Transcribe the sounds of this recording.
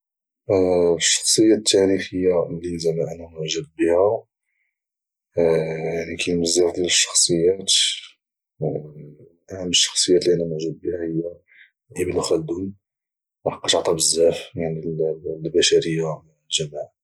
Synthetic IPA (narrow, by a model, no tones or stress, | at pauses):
ʃːɑ̥xsˤəjːæt̪ːæɾixəjːalinzæmːæʔænæmʊʕʒəb̚bihæ | janikʰijməzːifd̪jæləʃːɑ̥xsˤəjːæt̪ | ʔməʃːɑ̥xsˤəjːæt̪liʔænæmʊʕʒəb̚ːihæhəjːæ | ʔibəlxæld̪un | wħɑqːɑt̪ʕt̪ˤɑbəzːæfjaʕnillbæʃæɾəjːa | lʒæmaʕ